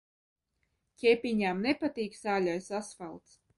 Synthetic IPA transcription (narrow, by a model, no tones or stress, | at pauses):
cʲɛpʲiɲaːmnepat̪iːksaːlʲɔjsasfalˠt̪s